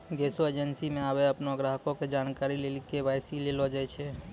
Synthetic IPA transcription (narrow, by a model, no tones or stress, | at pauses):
ɡesoed͡ʒənsimẽabeəpnoəɡɾaɦkõked͡ʒaːnkaɾilelkebasilelod͡ʒaɛt͡ʃʰɛ